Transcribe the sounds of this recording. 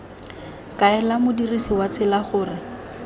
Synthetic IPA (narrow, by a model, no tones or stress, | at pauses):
kaɛlamʊdirisiwat͡sʰɪlaχʊːrɪ